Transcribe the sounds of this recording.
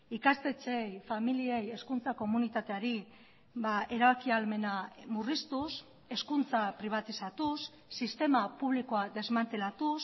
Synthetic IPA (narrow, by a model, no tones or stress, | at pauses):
ikast̪e̞t͡se̞jfamilie̞je̞skunt͡sako̞munit̪at̪e̞aɾi | bae̞ɾaβakialme̞namurist̪us | e̞skunt͡sapɾiβ̞at̪isat̪usː | ist̪e̞mapuβ̞liko̞ad̪e̞zmant̪e̞lat̪us